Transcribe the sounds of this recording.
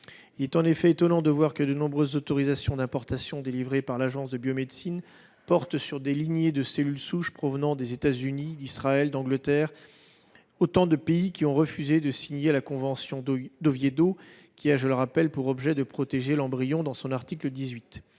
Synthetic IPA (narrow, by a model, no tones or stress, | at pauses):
ilɛt̪ɑ̃nefɛet̪ɔnɑ̃d̪əvwaʁkəd̪ənɔ̃bʁøzːot̪ɔʁizasjɔ̃d̪ɛ̃pɔʁt̪asjɔ̃d̪elivʁepaʁlaʒɑ̃sd̪əbjomed̪sin | pɔʁt̪syʁd̪eliɲjed̪əselylsuʃpχɔvənɑ̃d̪ezet̪azynid̪isχaɛld̪ɑ̃ɡlət̪ɛːʁ | ot̪ɑ̃d̪əpeikʲiɔ̃ʁəfyzed̪əsiɲelakɔ̃vɑ̃sjɔ̃d̪ovjed̪o | kʲiaʒələʁapɛlpuʁɔbʒɛd̪əpχɔt̪eʒelɑ̃bʁijɔ̃d̪ɑ̃sɔ̃naʁt̪ikləd̪izɥit̪